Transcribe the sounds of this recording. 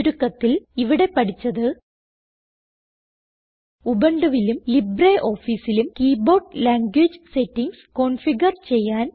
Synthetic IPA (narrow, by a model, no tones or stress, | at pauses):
ɾukːɐt̪ːiliʋiɽe̞pɐʈʰit͡ɕːɐðɨ | ubɐɳɖɐʋilumlibreʔo̞ːfiːsilumkiːbo̞ːrɖlaːŋɡwiːd͡ʑɨsetːiŋɡsko̞ɳfiɡɐrt͡ɕe̞jːaːn